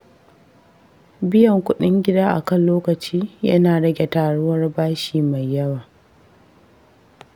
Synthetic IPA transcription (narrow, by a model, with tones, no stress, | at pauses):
bɪ˦jɐ˨ŋkʷʊ˦ɗɪ˦ŋɡʲɪ˦daː˦ʔa̰˨kɐ˦nloː˦kɐ˨t͡ʃiː˦jɐ̰˦naː˨ɽɐ˦ɡʲe˨taː˨ɽʊ˦wɐ˦rbaː˦ʃiː˨ma˨jːɐ˦waː˨